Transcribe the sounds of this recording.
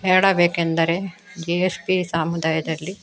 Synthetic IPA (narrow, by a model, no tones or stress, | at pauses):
eːɽɐbeːkend̪ɐɾed͡ʒeespisaːmud̪aːjɐd̪ɐlːi